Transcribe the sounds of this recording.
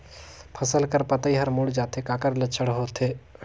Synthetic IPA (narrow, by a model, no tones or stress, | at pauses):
pʰəsəlkəɾpət̪əiɦəɾmuɽd͡ʒaːt̪ekaːkəɾlət͡ʃʰəɽɦoːt̪ʰe